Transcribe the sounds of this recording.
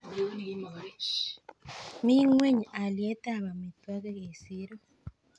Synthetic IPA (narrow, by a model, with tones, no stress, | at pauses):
mi˦ŋwe˦ɲi˨a˨lje˦ta˦˨βa˨mi˨twa˦ɣe˦ɣe˨si˦ɾo˦